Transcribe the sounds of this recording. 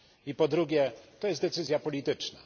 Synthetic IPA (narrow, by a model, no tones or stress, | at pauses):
ipɔd̪ɾuɡʲjɛt̪ɔjɛst̪d̪ɛt̪sɘzʲjapɔlʲit̪ɘt͡ʂna̰